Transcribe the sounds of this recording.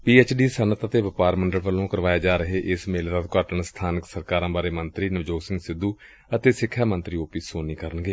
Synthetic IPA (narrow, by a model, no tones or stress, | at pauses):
piːeːt͡ʃɖiːsənət̪ət̪eːʋɪpaːɾməɳɖəlʋəlõːkəɾʋaːeːd͡ʒaːɾəɦeːʔɪsmeːlɾəd̪kaːʈəɳst̪ʰaːnəksəɾkaːɾãːbaːɾeːmənt̪ɾiːnəʋd͡ʒoːɡsɪ̃ŋɡsɪd̪ːuː | ət̪eːsɪkʰːjaːmənt̪ɾiːoːpiːsoːniːkəɾəɳɡeː